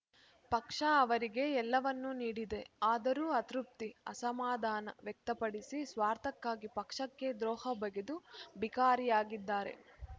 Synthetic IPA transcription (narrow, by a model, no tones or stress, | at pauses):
pɐkʂɐːʋɐɾiɡe̞ɛlːɐʋɐnːuniːɽid̪e̞aːd̪ɐɾuːɐt̪ɾup̚t̪iɐ̰sɐmaːd̪ʱaːnɐ̰ʋjɛk̚t̪ɐpɐɽisisʋaːɾt̪ʰɐkːaːɡipɐkʂɐkːe̞d̪ɾɔːhɐbɐɡed̪ubikaːɾijaːɡid̪ːaːɾe̞̰